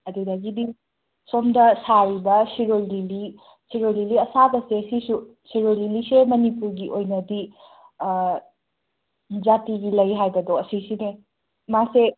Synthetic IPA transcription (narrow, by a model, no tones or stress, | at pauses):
ɐdidaɡidi | somdɐsaɾibɐsiɾolɾili | siɾojliliɐsaɡɐsesisu | siɾojlilisemɐnipuɾɡiʔojnɐdi | zatiɡilɐjɦajbɐdoɐsisine | mase